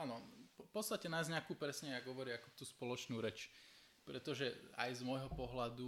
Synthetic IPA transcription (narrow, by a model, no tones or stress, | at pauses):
anɔpɔt̪st̪acɛnajzɲɪakuːpɾɛsɲɛaɡɦɔʋɔɾiakɔt̪uːspɔlɔt͡ʃnuːɾɛt͡ʃ | pɾɛt̪ɔʒɛa̰jzmɔjɦɔpɔɦlad̪u